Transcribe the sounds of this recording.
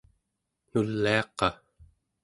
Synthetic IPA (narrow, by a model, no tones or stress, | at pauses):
nulːiɑqɑ